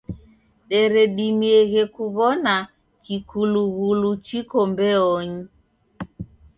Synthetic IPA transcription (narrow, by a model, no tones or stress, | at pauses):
ɗɛɾɛɗimiɛɣɛkuβɔna | kikuluɣulut͡ʃikɔmbɛɔɲi